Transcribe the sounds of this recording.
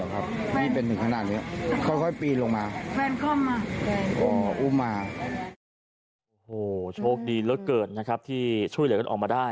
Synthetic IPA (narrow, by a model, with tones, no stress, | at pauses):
kʰa˦˥p̚nʰiː˥˩pe˧nt̪ʰɯ˨˩ŋkʰa˧naː˨˩t̪̚ni˦˥kʰa˦˥˩jkʰɔ˥˩jpiː˧lo˧ŋmaː˧kʰɛː˧nkʰɔ˥˩mːaː˧ʔɔː˨˩ʔuː˥˩maː˧ | ʔo˨˩hoː˨˩t͡ɕʰoː˥˩k̚diː˧lɤː˦˥kːɤː˨˩t̪̚na˦˥kʰa˦˥p̚t̪ʰiː˥˩t͡ɕʰu˥˩jɯ˩˦ka˧˩ʔɔː˨˩k̚mːaː˧daː˥˩j